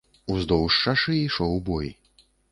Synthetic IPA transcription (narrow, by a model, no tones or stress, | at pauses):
uzd̪ɔwʂt͡ʂaʂɨiʂɔwbɔj̰